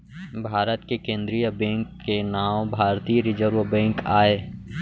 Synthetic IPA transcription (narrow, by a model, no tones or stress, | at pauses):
bʱaːɾət̪kekẽːnd̪ɾijəbɛ̃ːŋkːenaːwbʱaːɾt̪ijəɾɪd͡ʒəɾʋəbɛ̃ːŋkaːeː